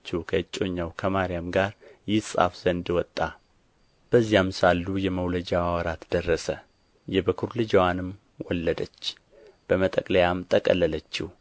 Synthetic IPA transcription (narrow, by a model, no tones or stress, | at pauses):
t͡ʃːukʰəɨt͡ʃʼːo̞ɲːawkʰəmaɾijamɡaɾjɪsʼa̰fz̥ənd̪wɔt̪ʼːa | b̥əzːijamsalːujɛməwləd͡ʒawawɾat̪d̪ərːəsə | jɛbəkʰuɾlɨd͡ʒwanɨm | wɔlːəd̪ət͡ʃː | b̥əmət̪ʼəkʼləjamt̪ʼəkʼəlːələt͡ʃːɪh